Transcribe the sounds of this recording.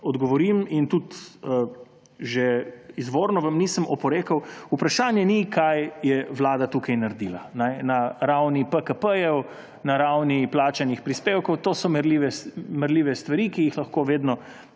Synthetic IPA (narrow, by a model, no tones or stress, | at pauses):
ɔd̪ɡɔʋɔɾimint̪ut̪ə | ʒɛizʋoːɾnɔʋamniːsəmɔpɔɾeːkəwupɾaʃaːnjɛnikʰajjɛʋlaːd̪at̪ukɐjnɐɾd̪ilanɛnɐɾawnipəkəpəjɛw | naɾawniplaːt͡ʃanixpɾispewkɔwt̪oːsɔmɛɾliʋɛmɛɾliːʋɛst̪ʋaɾikijixlɐxkoʋeːd̪nɔ